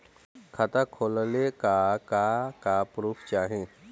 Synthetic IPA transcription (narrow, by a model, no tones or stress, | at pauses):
kʰət̪akʰoːllekakakapɾuːpʰt͡ʃaːɦẽ